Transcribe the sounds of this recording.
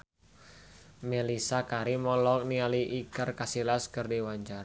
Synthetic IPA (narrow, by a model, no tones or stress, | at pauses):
melisakaɾimɔlɔk̚nialiʔikərkasilaskərdiwaɲt͡ʃaɾ